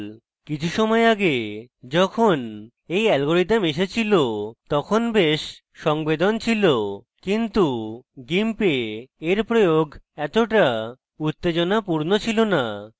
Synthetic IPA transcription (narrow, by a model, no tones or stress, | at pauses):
l | kit͡ɕʰuʃɔmɔeaɡed͡ʑɔkʰon | ejɛlɡoɾiameʃ̬et͡ɕʰilot̪ɔkʰonbeʃ | ʃɔŋbed̪ont͡ɕʰilo | kint̪uɡimpeeɾpɾojoɡɛt̪oʈa | ut̪ːed͡ʑonapuɾnot͡ɕʰilona